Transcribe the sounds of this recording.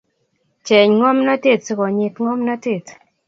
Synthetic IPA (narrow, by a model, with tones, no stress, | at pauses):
t͡ʃɛ˨ɲŋɔ˦mnɔ˦te˦˨tsi˦kɔ˨ɲɪ˨t̪ŋɔ˦mnɔ˦te˦˨t